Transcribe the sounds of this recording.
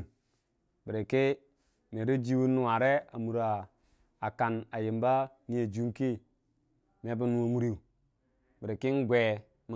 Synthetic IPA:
bi˨ɾe˨ki˦ | me˨ɾi˦d͡ʒi˦wu˦nːu˦˨wa˨ɾe˦a̰˨mu˨ɾaː˨ | ka˨na˨ji˨mba˦ | ni˦je˨d͡ʒu˦ŋki˦ | me˨˦bu˦nu˨˦wo˨mu˦ɾi˦u˨ | bi˨ɾe˨ki˦n˦ɡʷe˨ | m˦

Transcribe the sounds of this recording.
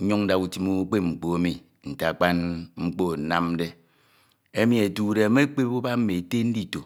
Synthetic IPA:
ɲu˦ŋn̩˦da˨ku˨ti˦mu˦k͡pe˦ŋ͡m̩˨k͡po˨e˦mi˨ | n̩˨ta˨k͡pa˦nŋ͡m̩˦k͡po˦˨na˦m˦de˦ | e˦mi˨e˨tu˨de˨a˨me˦k͡pe˦bu˦ba˦m̩˦me˨te˦n̩˦di˦˨to˨

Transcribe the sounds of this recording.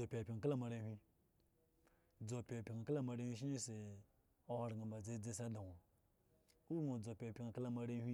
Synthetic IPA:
o˨pʲa˨pʲi˨ŋa˨ka˦la˦ma˨ɾe˧˦hʲʷi˧ | d͡zo˨pʲi˨a˨pʲi˨ŋa˨ka˦la˦ma˨ɾe˦hʷi˦ʃ̬i˦i˦se˨ | o˦ha˨ɾɡa˨ba˨d͡ze˦˨d͡ze˦sa˦da˨ŋo˨ | u˦ŋo˨d͡zo˨pʲa˨pʲi˨ŋa˨ka˦la˦ma˨ɾe˦hʷi˦

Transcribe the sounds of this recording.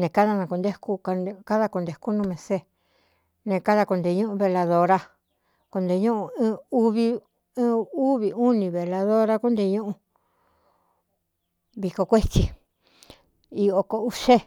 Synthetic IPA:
nẽ˨˧ka˦ða˧nã˧ku˧nd̪e˦ku˦kka˦ða˧ko˧nd̪e˧˨ku˦nũ˦˧mẽ˨˧se˦˨ | nẽ˧ka˦ða˧ko˧nd̪e˧ɲũ˦ʔũ˧βe˧la˧ðo˧ɾa˦ | ko˧nd̪e˧ɲũ˦ʔũ˧˦˧u˦˧βĩː˧˦ | u˦βi˧u˦nĩ˧βe˨la˧ðo˦ɾa˦ku˦nd̪e˧ɲũ˦ʔũ˧ | βi˧ko˧kʷe˦t͡ʃi˧ | i˧o˧ko˧u˦ʃe˦

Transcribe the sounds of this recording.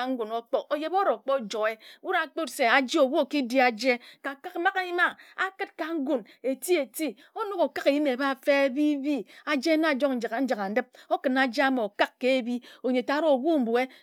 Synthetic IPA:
a˨ŋ̩˦ɡu˨no˦k͡po˦ʔo˨je˦bo˦ɾo˨k͡pɔ˦d͡ʒo˨e˦wu˦ɾa˨˦k͡po˦tse˨a˨d͡ʒi˦o˨wu˦o˨ki˦di˦a˨d͡ʒe˦ka˨ka˦kma˦ka˦i˦ma˦a˦kɨ˦t̚ka˨ŋ̩˦ɡu˨n | e˨ti˦e˨ti˦ | o˦no˦ko˨ka˦ke˨ji˦me˨ba˦˨fe˦e˦bi˦bi˦a˨d͡ʒe˦na˦˨d͡ʒo˦kn̩˨d͡ʒa˨ka˨n̩˦d͡ʒa˨ka˨n̩˨˦dɨ˦p̚o˦kɨ˨na˨d͡ʒe˦a˦m˨o˨ka˦kːe˦e˦bi˦o˨ɲe˨ta˦ɾo˦o˨ɡu˦m̩˨bu˨e˦

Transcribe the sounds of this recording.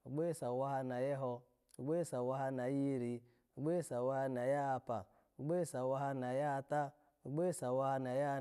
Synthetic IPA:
o˨ɡ͡be˦sa˨wa˦ɦa˧na˨je˦ɦɔ˧ | o˨ɡ͡be˦sa˨wa˦ɦa˦˧na˨ji˦˨ɾi˨ | o˨ɡ͡be˦˨sa˨wa˦ha˧na˨ja˦a˧pa̰˨ | o˨ɡ͡be˦sa˨wa˦ɦa˧na˨ja˦˧ta˦ | o˨ɡ͡be˦sa˨wa˦ha˧na˨ja˦

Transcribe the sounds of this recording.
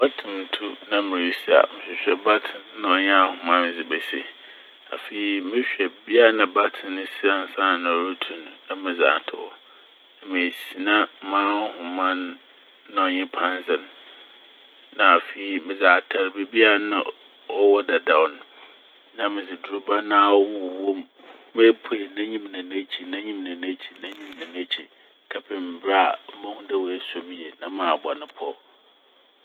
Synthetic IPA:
ba˦tʰɪ̃˨n˨tʰu˦nã˦mɪ̃˨ɾi˦si˦a̰˨mɪ̃˨ɕᶣɛ˨ɕᶣɛ˨ba˦tʰɪ̃˨nnã˦ɔ˨ɲ˦a˦˨hʊ̃˨mã˦m˨d͡zɪ˨bɛ˨sḭ˦ | a̰˨fe˨i˨mɪ̃˦ɕᶣɛ˨bi˦a˦nã˨ba˦tʰɪ̃˨nʊ̃˦si˦a˨n̩˨˦sã˦˨nã˨ɔ˨ɾu˦tʰũ˨nː˨ã˦mɪ̃˨d͡za̰ː˨tʰʊ̰˨ɔ̰˦ | nã˨mẽ˨si˨nã˦mãː˦hʊ̃˨mã˦nː | ã˦ɔ˨ɲɪ̃˦pʰã˦n˦zɪ˨n | ã˨fe˨i˦mɪ̃˨za˨a˨tʰa˨ɾbe˨bi˦a˦˨nã̰˦ | ɔ˦wɔ˦dɛ˨dã˨ʊ˨n | nã˦mɪ̃˨zɪ˨du˨o˦ba˦nã˦˨wwwõ˦m | me˦pʰe˨nã˦ɲĩ˦mnã˨nã˦t͡ɕʰi˨nã˦ɲĩ˦mnã˨nã˦t͡ɕʰi˨nã˦ɲĩ˦mnã˨nã˦t͡ɕʰi˨˦ | kʰa˨pʰɪ̃˨m̩˨bɾa˦a˨˦mã˦ŋ̃˦dɛ˨wɔ˨ɛ˦sɔ˦m˦je˨nã˦mãː˨ba˨nɪ̃˨pʰɔ˦

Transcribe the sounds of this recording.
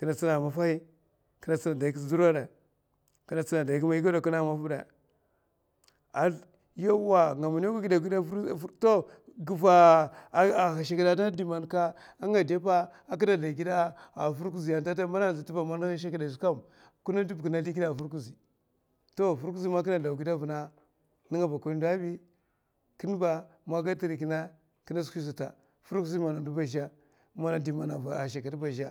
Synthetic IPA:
ki˨na˨t͡si˦na˨ma˨fa˦i˦ | ki˦na˨t͡si˦na˨da˨i˨k̬i˦sdu˦ɾa˦da˨ | ki˨na˨t͡si˦na˨da˨ki˦ma˦i˦ɡa˦da˨ku˦na˦˨ma˦fu˦da̰˨ | a˨ | jo˦wa˨ŋa˨ma˨n˦o˦ku˦ɡi˦da˨ɡi˦dto˦ɡi˨va˨ | a˨xa˨ʃ̬a˨ki˨da˨da˦di˨ma˨nka˦ | a˦ŋa˨de˦pa˦a˦k̬i˦da˨da˨ɡi˦da˦a˨fu˦ɾku˦zi˨ja˨nta˦ta˦ma˦na˦˨zi˨ti˦ba˨ma˦n˦a˦ʃ̬a˦ki˦da˨su˦ka˦˨m | ku˦na˦di˦bki˨na˨li˦ɡi˦a˦˨fu˦ɾku˦zi˨ | to˦fu˦ɾku˦zi˦ma˦k̬i˦na˨da˨u˨ɡi˦da˦vu˨na˦ | ni˦ŋa˨ba˨ku˦ni˦da˦bi˦ | ki˦n˦ba˨ | ma˦ɡa˦ti˦ɾi˨ki˨na˦ | ki˦na˦skʷi˦s̬u˨ta̰˨ | fu˦ɾku˦zi˦ma˨na˨du˦ba˨ʃa˦ | ma˦na˦di˨ma˨na˨a˨ʃa˨ka˨ti˦ba˨ʃa˦

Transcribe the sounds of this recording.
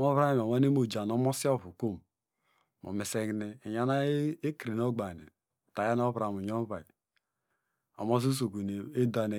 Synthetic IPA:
mo˦βɾa˦˨m˨o˨wa˦ne˦mo˨d͡ʒa˨no˦mo˦si˦o˦˨vu˨ko˦m | mo̰˨me˨se˦ɡne˦˨ja˦na˦e˦kɾi˨n˦o˦ɡ͡ba˨nḛ˨ | ta˨ja˦n˦o˦bɾa˨mu˨ɲo˦ba˨i˨ | o̰˨mo˦s̬o˦s̬o˨ku˨ne˨e˦da˨ne˨

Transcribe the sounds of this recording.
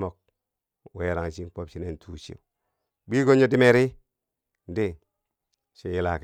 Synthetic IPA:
mo˨k̚ | we˨˦˨ɾa˨ŋ˨t͡ʃi˦k͡po˦pʃi˦ne˨ntʰu˦˨t͡ʃḭ˦u˨ | bi˦ɡo˦ɲo˦di˦me˦ɾi˦ | n˦di˦ | ʃe˦ji˦la˨k

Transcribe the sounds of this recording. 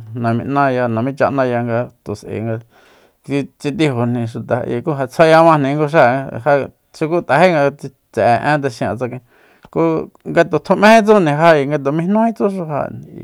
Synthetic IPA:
nã˨mḭ̃˧ʔnã˧ja˧nã˨mĩ˦t͡ʃa˧ʔnã˦˧ja˧ŋɡa˧t̪o˨sʔḛ˨ŋɡa˧ | t͡si˧t͡si˧t̪̬i˧ɦo˨n̥ĩ˨˧ʃu˨t̪a˨˧ʔḭ˧ku˦ɦa˧t͡sʰa˦ja˧mã˧nĩ˧ŋɡo˧ʃ̬a˦˨˧ha˧ | ʃi˧ku˦t̪a˨he˦ŋɡa˧t͡si˧ | t͡sɛ˨ʔʔẽ˦t̪̬e˧ʃĩ˧ã̰˧˨t͡sa˧kĩ˧ | ku˦ŋɡa˧t̪o˨t̪ʰu˧mẽ˦hẽ˦t͡su˦nĩ˨˧ɦa˧i˨ŋɡa˧t̪o˨mĩ˧˦nũ˦hĩ˦t͡su˦ʂu˧ɦã̰˧˨

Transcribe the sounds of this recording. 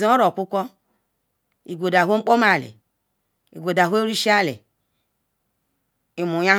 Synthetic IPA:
zo˦ɾo˨kʷu˦kʷɔ˦ | i˨ɡʷo˨da˨ɦʷo˦ŋ͡m̩˦k͡po˦ma˨lḭ˨ | i˨ɡʷo˨da˨ɦʷo˦ɾi˦ʃi˦a˦˨lḛ˨ | i˨mu˨ja˦

